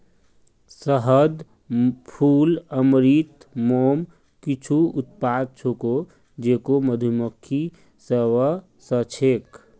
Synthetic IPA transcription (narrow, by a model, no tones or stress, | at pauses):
səɦəd̪ | pʰuːləmɾiːt̪moːm | kit͡ʃʰuʊt̪̚paːd̪̚t͡ʃʰoko | d͡ʒeːkoməd̪ʱumukʰːi | sewə | sət͡ʃʰeːk